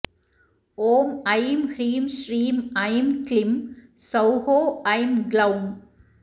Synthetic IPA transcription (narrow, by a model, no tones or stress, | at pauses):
oːmɐjmhɾiːmʃɾiːmɐɪmklɪm | sɐʊhoːɐɪmɡlɐʊm